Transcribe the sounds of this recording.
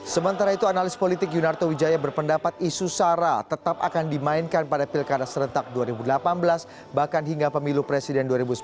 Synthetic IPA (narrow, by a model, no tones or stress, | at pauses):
səmənt̪aɾait̪uanalɪspolit̪ɪk̬junart̪owid͡ʒajabərpəndapat̪̚isusaɾat̪ət̪ap̚a̰kandimainkanpadapilkadasəɾənt̪ak̚duaɾibudəlapanbəlas | bahkanɦiŋɡapəmilupɾesidɛnduaɾibusə̥